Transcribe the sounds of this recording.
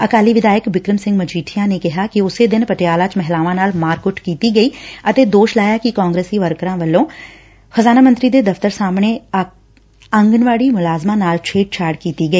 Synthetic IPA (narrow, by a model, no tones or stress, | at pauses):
əkaːliːʋɪd̪aːjəkbɪkɾəmsɪ̃ŋɡmət͡ʃiːʈʰɪjãːneːkɪɦaːkɪʊseːd̪ɪnpəʈjaːlaːt͡ʃmɛɦlaːʋãːnaːlmaːɾkʊʈkiːt̪iːɡəiːət̪eːd̪oːʃlaːjaːkɪkaːŋɡɾeːsiːʋəɾkɾãːʋəlːõː | xəzaːnaːmə̃nt̪ɾiːd̪eːd̪əft̪əɾsaːmɳeː | əŋɡənʋaːɽiːmʊlaːzmãːnaːlt͡ʃʰeːʈ̚t͡ʃʰaːɽkiːt̪iːɡəiː